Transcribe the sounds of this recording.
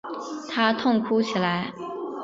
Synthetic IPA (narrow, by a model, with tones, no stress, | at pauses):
t̪ʰa˥t̪ʰʊ˥˧ŋkʰu˥t͡ɕʰi˨˩la˧˥ɪ